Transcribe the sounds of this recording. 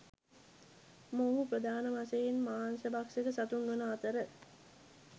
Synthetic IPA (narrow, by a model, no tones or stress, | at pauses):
moɦupɾəd̪aːnəmasejenmaːnsəbakseɡəsat̪unʋɐnəat̪əɾə